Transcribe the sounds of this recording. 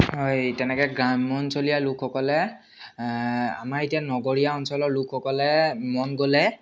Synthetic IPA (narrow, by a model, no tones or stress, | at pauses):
ɦojtɛnɛkɛɡɹamɔnsolijalukʰxɔkɔlɛ | a̰maɹetianɔɡɔɹijaɔnsɔlɔɹlukʰxɔkɔlɛmɔnɡolɛ